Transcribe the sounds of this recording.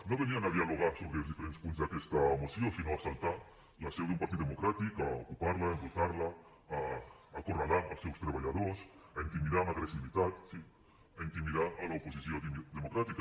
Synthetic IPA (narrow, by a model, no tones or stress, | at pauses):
noβeniaŋaðjaloɣ̞aɾsoβɾezðifeɾene̥spunt̪̬zakest̪aomosjosinoasalt̪aɾ | lasewðumpaɾt̪iðoemokɾat̪ikao̰kupaɾlaemot̪aɾlaː | koralaŋalsewst̪ɾeβ̞aʎaðoɾs | aint̪imiðaŋaɣɾesiβit̪at̪si | aint̪imiðaalaoposiθjod̪emokɾat̪ika